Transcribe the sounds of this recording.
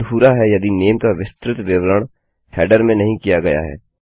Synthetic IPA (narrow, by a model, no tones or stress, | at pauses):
ɦuːɾaɦɛjɐd̪ineːmkaʋɪst̪ɾɪt̪ʋɪʋɾəɽ̃ | hʰɛːɖəɾmẽnɐɦĩkijaɡɐja̰ɦɛ̰ː